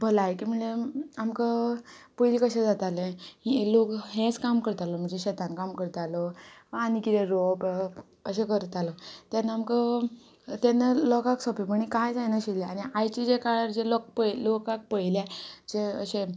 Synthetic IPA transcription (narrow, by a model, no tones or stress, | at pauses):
bʱəlajkim̤əɳd͡zeamkə | pəjlikəɕẽd͡zat̪alẽilokɦẽt͡skamkəɾt̪alɔm̤əɳd͡zeɕet̪ankamkəɾt̪alɔanikit̪eɾob | əɕ̬ẽkəɾt̪alɔt̪janːaamkə | t̪janːəlɔkaksɔpiməɳ̃ikajd͡zajnaɕileaniajt͡ɕid͡ʑekaɭaɾd͡ʑelɔk̚pəjlokak̚pəjlad͡ʑeəɕe